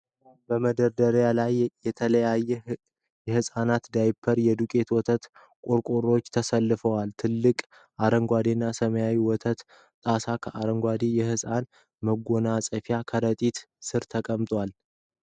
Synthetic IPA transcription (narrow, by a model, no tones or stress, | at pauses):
bəməd̪əɾd̪əɾjalajjɛt̪ʰələjajːɛ | jɛhɨsʼanat̪d̪ajpʰːəɾjɛd̪ukʼe̞t̪wɔt̪ʰət̪ | kʼoɾkʼoɾo̞t͡ʃːt̪ʰəsəlːɨfəwalt̪ʰɨlːɨkʼ | ʔaɾəŋɡʷad̪inːasəməjawiwɔt̪ʰət̪ | t̪ʼasakʰəʔaɾəŋɡʷad̪ijɛhɨsʼan | məɡonasʼəfjakʰəɾət̪ʼit̪ | sɨɾt̪ʰəkʼəmt̪ʼwal